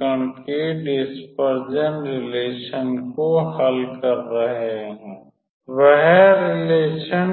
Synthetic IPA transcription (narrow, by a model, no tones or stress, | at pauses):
əɳ̃keɖɪspəɾd͡ʒənɾɪleːʃənkohɐlkəɾːɐɦeɦɛ̃ː | ʋəɦɛɾɪleːʃən